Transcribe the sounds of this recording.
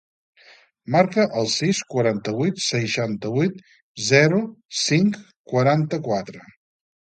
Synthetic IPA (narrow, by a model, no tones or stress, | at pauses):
maɾkəʔəlˠsiskwəɾant̪əβujt̪səjʃant̪əβujt̪ | zɛɾusiŋk | kwəɾant̪əkwat̪ɾə